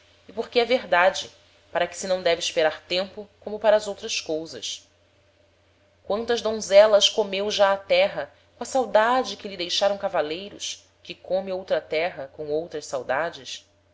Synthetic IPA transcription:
ɪpoɾkɪɛveɦd̪ad͡ʒɪ | paɾɐkɪ̥sɪnɐ̃w̃d̪ɛvɪːʃpeɾaɾt̪ẽmpʊkõmʊpaɾɐːzowt̪ɾɐskowzɐ̰s | kwɐ̃nt̪ɐzd̪õzɛlɐskomewʒaat̪ɛɦɐ | kõɐsawd̪ad͡ʒɪkɪlid̪ejʃaɾɐ̃w̃kavalejɾʊ̰ʃ | kɪkõmɪowt̪ɾɐt̪ɛɦɐkõw̃owt̪ɾɐʃsawd̪ad͡ʒɪs

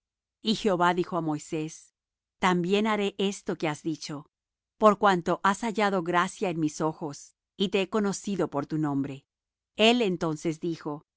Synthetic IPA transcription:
ixeo̞βaðixo̞amo̞jse̞s | t̪ambje̞naɾe̞ʔest̪o̞ke̞azðit͡ʃo̞ | po̞ɾkwant̪o̞ʔasaʝaðo̞ɣɾasjaenmiso̞xo̞s | it̪e̞eko̞no̞siðo̞po̞ɾt̪unõ̞mbɾe̞ | e̞le̞nt̪o̞nse̞zd̪ixo̞

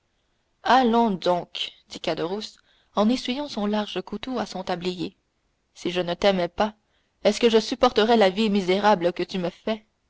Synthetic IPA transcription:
alɔ̃d̪ɔ̃kd̪̥ikad̪əʁus | ɑ̃nesɥijɑ̃sɔ̃laʁʒəkut̪oasɔ̃t̪ablije | siʒənət̪ɛmɛpa | ɛskəʒəsypɔʁt̪əʁɛlavimizeʁabləkət̪yməfɛ

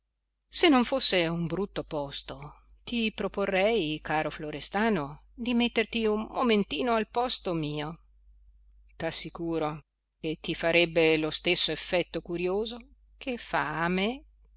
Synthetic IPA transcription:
senːoɱfosːeumbɾut̪ːopɔst̪o | t̪ipɾoporːɛjkaːɾofloɾest̪aːnod̪imet̪ːert̪iummoment̪iːnoalpɔst̪omiːo | t̪asːikuːɾo | ket̪ːifaɾɛbːelost̪esːoefːɛt̪ːokuɾjoːzo | kʰefa̰ːme

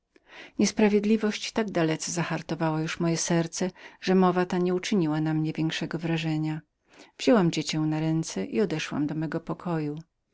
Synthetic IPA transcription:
ɲɛspɾavʲjed̪lʲivɔɕt͡ɕt̪aɡd̪alɛt̪sɛzaxaɾt̪ɔvawɔjuʂmɔjɛsɛɾt̪sɛʐ̥ɛmɔvat̪aɲɛut͡ʂɘɲiwanamɲɛvʲjɛŋkʂɛɡɔvɾaʐɛɲa | v̥ʑ̥ɔwamd͡ʑet͡ɕɛw̃naɾɛnt̪sɛʔiɔd̪ɛʂwa̰md̪ɔmɛɡɔpɔkʰɔju

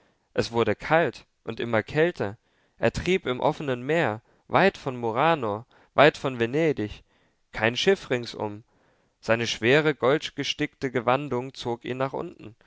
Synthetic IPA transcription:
ʔɛsv̥ʊɐɾəkʰalt | ʔʊntʔɪmɐkʰɛltʰɐ | ʔeːɐtʁ̥iːpɪmʔɔfənənmeːɐ | vaɪtfɔnmoʁaːno | vaɪtfɔnveneːdɪç | kʰaɪnʃɪfʁɪŋsʔʊ̰m | z̥aɪnəʃv̥eːʁ̞əɡɔltɡ̥əʃtɪk̚təɡəvandʊŋt͡soːkḭːnaːχʔʊ̰ntn̩

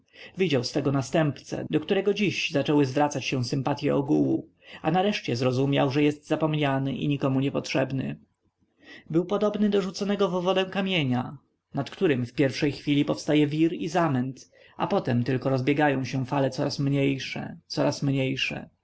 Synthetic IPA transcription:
vʲid͡ʑawsfɛɡɔnast̪ɛmpt̪sɛ̰d̪ɔkt̪uɾɛɡɔd͡ʑiʑzat͡ʂɛwɘzvɾat̪sat͡ɕɕɛ̃sɘmpat̪ʲjɛ̰ɔɡuwu | anaɾɛʂt͡ɕɛzɾɔzumʲjawʐɛjɛst̪zapɔmɲanɘʔḭɲikɔmuɲɛpɔtʂɛbnɘ̰ | bɘwpɔd̪ɔbnɘd̪ɔʐut̪sɔnɛɡɔvɔvɔd̪ɛ̃w̃kamʲjeɲa | nat̪kt̪uɾɘmfpʲjɛɾfʂɛjxfʲilʲipɔfst̪ajɛvʲiɾizamɛnt̪ | a̰pɔt̪ɛmt̪ɘlkɔɾɔzbʲjɛɡajɔ̃w̃ɕɛfalɛt̪sɔɾasmɲejʂɛ̰t̪sɔɾasmɲejʂɛ̰

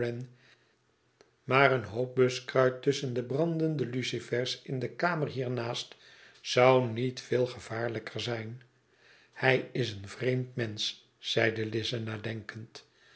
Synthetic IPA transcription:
ɛn | maːɾənɦowp̚bøskrœɥtɵsəndəbrɑndəndəlysifɛɹsɪndəkaːmərɦiːɹnaːst | sʌwnitfɪːlˠχəv̥aːɹləkʰərzɛjn | hɛjɪs̬ənvrejmtmɛnsː | ɛjdəlɪzənaːdɛŋkənt

